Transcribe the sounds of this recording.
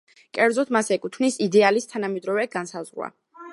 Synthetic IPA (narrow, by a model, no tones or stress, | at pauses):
kʼɛɾd̪zɔt̪ʰmasɛkʼut̪ʰvnisid̪ɛalist̪ʰanamɛd̪ɾɔvɛɡansazʁwa̰